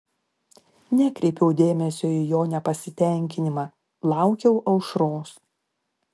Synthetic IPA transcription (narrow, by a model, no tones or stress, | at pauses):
nʲɛkɾʲɛɪpʲɛʊd̪ʲeːmʲɛsʲoːijoːnʲɛpɐsʲɪt̪ʲɛˑŋʲkʲɪnʲɪmɑː | lˠɑˑʊkʲɛʊʔɐʊʃɾoːs